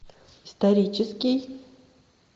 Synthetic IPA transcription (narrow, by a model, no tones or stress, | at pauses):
ist̪ɐɾʲit͡ʃʰɪskʲij